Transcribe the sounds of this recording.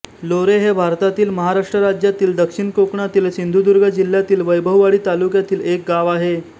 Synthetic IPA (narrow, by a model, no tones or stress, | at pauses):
loɾeɦebʱaɾt̪at̪iːlməɦaɾaʂʈɾəɾad͡ʑjat̪iːld̪əkʂiɳkokɳat̪iːlsind̪ʱud̪uɾɡʱəd͡ʑil̤jat̪iːlʋəjbʱəʋʋaɽiːt̪alukjat̪iːlek̚ɡaʋaɦe